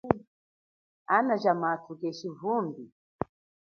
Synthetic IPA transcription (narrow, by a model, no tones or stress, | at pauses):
anad͡ʒamaːtʰukɛʃivumbi